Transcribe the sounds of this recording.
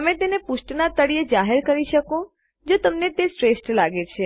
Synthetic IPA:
əmẽt̪enepuʃʈnat̪əɽijed͡ʒaɦeɾkəɾiʃəkõ | d͡ʒot̪əmnet̪esʈɾesʈlaɡet͡ʃʰe

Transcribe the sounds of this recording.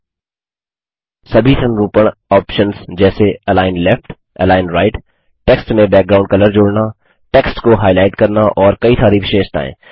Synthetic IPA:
sɐbʱit̪ʰənɾuːpəɽ̃ɔːpʃənsd͡ʒɛːseɛlaːɪnlɛfʈ | ɛ̰laːɪnɾaːɪʈ | ʈeːksʈmẽbɛːk̚ɡɾãːʊ̃ɳɖkɐləɾd͡ʒoːɽna | ʈeːksʈkoɦaːɪlaːɪʈkɐɾnaʔɔːɾkɐit̪ʰaːɾiːfʃeːʃt̪a̰ːḛ̃ː

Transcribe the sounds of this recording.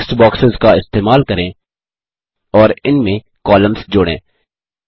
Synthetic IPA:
sʈbɔːksɪzkaɪst̪eːmaːlkɐɾẽ | ɔːɾɪnmẽ | kɔːlə̃mzd͡ʒʊːɽḛ̃ː

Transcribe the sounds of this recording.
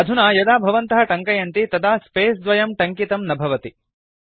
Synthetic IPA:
ɐd̪ʱunaːjɐd̪aːbʱɐʋɐnt̪ɐɦɐʈɐŋkɐjɐnt̪it̪ɐd̪aːspeːsd̪ʋɐjɐmʈɐŋkit̪ɐmnɐbʱɐʋɐt̪i

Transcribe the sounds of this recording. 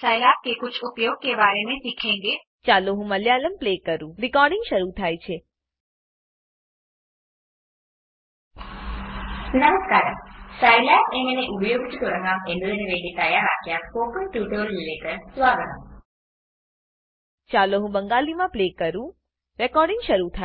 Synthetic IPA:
saːjlaːp̚kekʊt͡ʃʰʊpjoːɡ̚kebaːɾenẽsikʰẽːŋɡe | t͡ʃaːloɦũməljaləmplekəɾũɾɪkɔːɾɖɪŋɡʃəɾut̪ʰaːjt͡ʃʰe | nəməskaːɾsaːjljaeŋəneʔupjoːɡt͡ʃ̪t̪oɽə̃ŋɡãmẽnd̪oleneʋeʈit̪ajaɾaːkjafoːkəsʈjuːʈoɾɾileːʈəɾsʋaːɡəʈ̪ə | t͡ʃaloɦũbəŋɡalimãplekəɾũ | ɾɛkɔɾɖɪŋɡʃəɾut̪ʰa

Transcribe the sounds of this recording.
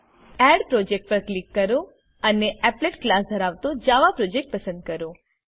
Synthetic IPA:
ɛɖpɾod͡ʒek̚ʈ̚pəɾklikːəɾo | əneʔɛpleʈklasd̪ʱəɾaʋt̪od͡ʒaʋapɾod͡ʒek̚ʈ̚pəsə̃nd̪̚kəɾo

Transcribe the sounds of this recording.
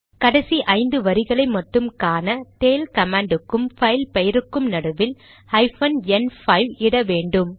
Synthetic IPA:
kɐɽɐsiʔɐɪnd̪ɯʋɐɾɪɣɐɭɐɪmɐʈːɯmkaːnɐt̪eːlkɐmaːɳɖɯkːɯmfɐɪlpɐjɪɾɯkːɯmnɐɽɯʋɪl | ɐɪfɐnɛnfɐɪʋɪɽɐʋeːɳɖɯm

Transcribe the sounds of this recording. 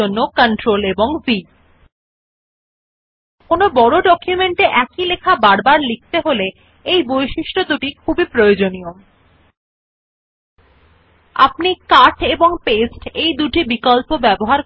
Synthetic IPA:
onːokəɳʈɾoleboŋvi | konobɔɽoɖɔkʰjumeɳʈeʔɛkilekʰabaɾbaɾlik̚ʰt̪eɦole | ejbojʃiʃʈod̪uʈikʰubipɾojod͡ʑonijo | a̰pnikaɾʈeboŋpesʈejd̪uʈibikɔlpobɛboɦaɾ

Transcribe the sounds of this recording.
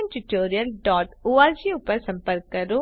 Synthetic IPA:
ʈuʈoːɾijəlɖɔːʈoːaːd͡ʒiʊpəɾsə̃mpəɾkːəɾoː

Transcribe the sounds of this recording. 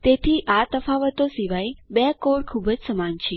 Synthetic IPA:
t̪et̪ʰiʔat̪əfaʋət̪osiʋaibekoɽkʰubəd͡ʒsəmant͡ʃʰe

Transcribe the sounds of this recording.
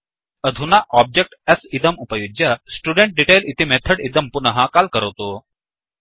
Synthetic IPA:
əd̪ʱunaʔɔb̚d͡ʑek̚ʈəsid̪əmupəjud͡ʑjəsʈuɽeɳʈ̚ɖiʈejlit̪imet̪ʰəɽid̪əmpunəɦãkalkəɾət̪o

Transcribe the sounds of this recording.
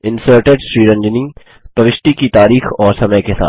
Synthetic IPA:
ɪ̃nsəːɾʈeɖʃɾiːɾɐ̃ɲd͡ʒənĩː | pɾɐʋɪʃʈ̪ikit̪aːɾiːxɔːɾsɐməjkesa̰ːt̪

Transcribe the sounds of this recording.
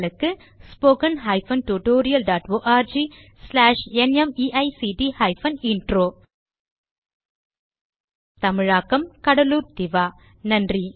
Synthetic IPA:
lɯkːɯ | spoːkɐnɦaːɪfɐnʈuʈoːɾɪjɐlɖaːʈʋoːʔaːɾd͡ʒiː | slaːʂɛnɛmiːʔɐɪsiːɖihɐːɪfɐnɪɳʈɾoː | t̪ɐmɪɻaːkːɐmkɐɽɐluːɾt̪ɪʋaː | nɐndri

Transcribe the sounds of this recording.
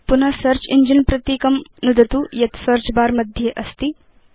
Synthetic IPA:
pun̤ɐsɐɾt͡ʃiɲd͡ʒənpɾɐt̪jikɐmnud̪ɐt̪uːjɐt̪sɐɾt͡ʃbaːɾmɐd̪ʱjeʔɐst̪iː

